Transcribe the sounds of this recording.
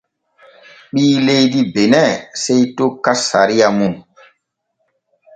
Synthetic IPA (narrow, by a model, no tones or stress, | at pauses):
ɓiːlejdibenɛsejtokːasaɾijamu